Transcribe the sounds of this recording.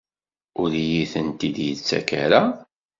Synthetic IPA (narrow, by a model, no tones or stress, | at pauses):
ʊɾijiθənt̪id̪jət͡sːæ̰ka̰ɾa